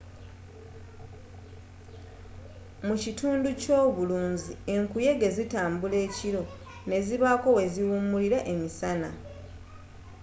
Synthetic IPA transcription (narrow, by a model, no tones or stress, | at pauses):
mucituːnduco̞ːβuluːɲzie̞ŋkuje̞ɡe̞zitaːmbule̞ːciɾo̞ | ne̞ziβako̞we̞ziwuːmuliɾaʔe̞misana̰